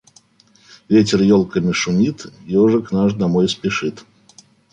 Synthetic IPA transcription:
vʲetʲɪrjɔlˠkəmʲɪʂʊnʲit̪ijɔʐɨknaʐd̪amɔjspʲiʂɨt̪

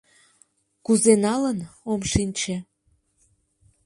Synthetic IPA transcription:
kuzenɑlənomʃinʲt͡ɕĕ

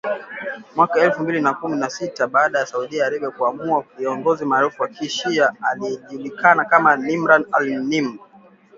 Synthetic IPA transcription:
mwakaɛlfumbilinakuminasitaɓaːɗajasauɗiaːɾɛɓɛkuamuaviɔŋɡɔzimaːɾufuwakʰiʃiaaliɛʄulikanakamanimɾanalnima

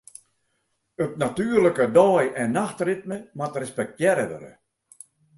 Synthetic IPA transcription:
øp̚natyːərləkədɔːjɛnːaxtrɪt̚məmatrɛspɛk̚tjɛɾədə̰ɾə̰

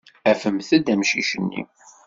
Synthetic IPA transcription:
æfəmθæd̪æmʃiʃənːḭ

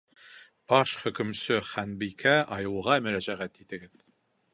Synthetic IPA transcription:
b̥ɑʃχɵ̆kɵ̆msɵχænbijkʰæʔɑjɤ̆wˠʁɑmɵ̆ɾæʑæʁæt̪it̪ɘ̆ɡɘð

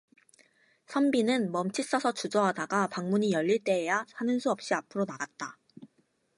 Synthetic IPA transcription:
sʰʌmbinɯnmʌmt͡ɕʰis͈ʌsʰʌt͡ɕud͡ʑʌɦadaɡapaŋmuɲijʌʎːiɭt͈e̞ɦejasʰanɯnsʰuʌp̚ɕ͈iapʰɯɾonaɡat̚t͈a

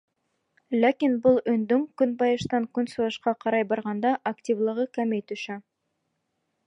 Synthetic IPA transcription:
lʲækʲinbʊlˠɵnd̪ɪŋkʲʏnbɑjəʃt̪ɑŋkʲʰʏnsuəʃqɑqʰɑɾɑjbɑɾʁɑnd̪ɑʔakt̪ʲivlˠəʁəkʲʰæmejt̪ʉʃɪ

